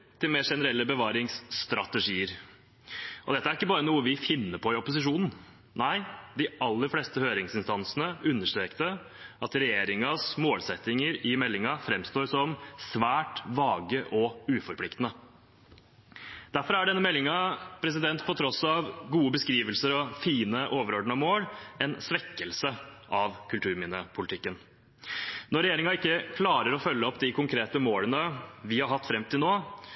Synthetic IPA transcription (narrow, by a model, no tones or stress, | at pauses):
t̪ʰɪlmeːʂɛnəɾɛlːəbəʋɑːɾɪŋst̪ɾɑt̪əʂiːəɾ | ʔɔd̪ɛt̪ːəæɾɪkːəbɑːɾənuːəʋɪfɪnːəpʰɔɪɔpʊsɪʂuːnn̩ | næɪd̪ɪɑlːəɾfleːst̪əhøːɾɪŋsɪnst̪ɑnsnəʉnːəʂʈɾeːkt̪ə | ɑt̪ɾɛjeːɾɪŋɑsmoːlsɛt̪ːɪŋəɾɪmɛlːɪŋɑfɾɛmst̪oːɾsɔmsʋæːʈʋɑːɡəʔɔʉːfɔɾpʰlɪkt̪ənə | d̪̥æɾfɔɾæɖɛnːəmɛlːɪŋɑpʰɾɛs̬ɪd̪ɛnt̪pʰɔt̪ʰɾɔsɑʋɡuːəbəskɾiːʋəlsəɾɔfiːnəʔoːʋəɾɔɖɳ̩ɑmoːlɛnsʋɛkːəlsə | ʔɑʋkʰʉlt̪ʰʉːɾmɪnəpʰʊlɪt̪ɪkːən | nɔɾɛjeːɾɪŋɑɪkːəkʰlɑːɾəɾɔfœlːəɔpd̪ɪkʰʊŋkʰɾeːt̪əmoːlənəʋɪhɑɾhɑt̪ːfɾɛmt̪ɪlnoː